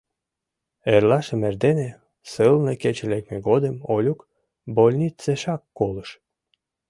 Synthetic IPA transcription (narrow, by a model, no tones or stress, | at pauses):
eɾlɑʃəmerd̪ene | sɨlnəket͡ɕelek̚meɡod̪əmolʲuk | bolʲnʲit͡seʃɑkːoləʃ